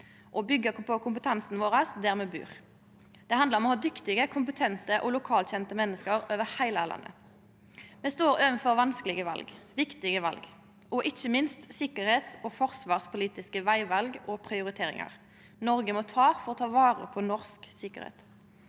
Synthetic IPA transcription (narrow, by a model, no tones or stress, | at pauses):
ʔɔbʏɡːəpʰɔkʰʊmpət̪ʰɑnsnʋoːʁəsd̪æːʁmɛbʉ̰ːʁ | d̪̥ɛhɑnd̪ləʁɔmɔhɑːd̪ʏkt̪ɪɡəkʰʊmpət̪ʰɛnt̪əʔɔlʊkʰɑːlt̪ɕɛnt̪əmɛnːəskəɾøːʋəhæɪlælɑ̰nːə̰ | mɛnst̪oːɾøːʋənfɔʁʋɑnskəlɪɡəʋɑ̰lɡʋɪkt̪ɪɡəʋɑ̰lɡ | ʔɔʔɪçəmɪnst̪sɪkəʁheːt̪sɔfɔʁsʋɑːʁspʰʊliːt̪ɪskəʋæɪʋɑlɡʔɔpʰʁɪʊɾɪt̪ʰeːɾɪ̰ŋɑ̰ʁ | nɔʁɡəmɔt̪ʰɑːfɔʁɔt̪ʰɑːʋɑːʁə̰pʰɔnɔʁsksɪkəʁɾḛːt̪